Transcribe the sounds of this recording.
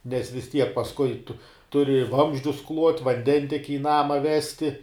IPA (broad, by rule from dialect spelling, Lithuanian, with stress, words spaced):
nʲɛs ʋʲɪs ˈtʲiɛk pɐsˈkʊɪ tʊ ˈtʊrʲɪ ɪ ˈʋɐmʲzʲd͡ʒʲʊs klˠuɔtʲ ʋɐnʲˈdʲɛnʲtʲiɛkʲɪ ɪ ˈnɑːmɐ ˈʋʲæːsʲtʲɪ